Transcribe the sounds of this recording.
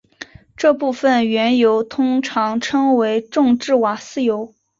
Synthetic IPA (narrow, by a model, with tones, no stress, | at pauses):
ʈ͡ʂɤ˥˧pu˥˩fə˥˩nɥɛ˧˥njo˧˥ʊt̪ʰʊ˥ŋʈ͡ʂʰɑ˧˥ŋʈ͡ʂʰɤ˥ŋwe˧˥ɪʈ͡ʂʊ˥˧ŋʈ͡ʂɻ̩˥˩wa˨˩sɹ̩˥˩jo˧˥ʊ